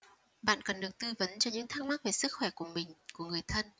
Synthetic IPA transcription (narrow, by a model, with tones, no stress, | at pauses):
ɓa̰ː˧˨nkə˨˩nɗɨ˨˩ək̚t̪ɨ˧və˨˦nt͡ɕɔ˧ɲɨ̰˧˥ŋt̪ʰaː˧ŋ̚ma˦˥t̚ve˨˩sɨ˦˥k̚xwɛ˧˩ku˧˩əmï˨˩ŋ̟ku˧˩əŋɨ˨˩əjt̪ʰə˧n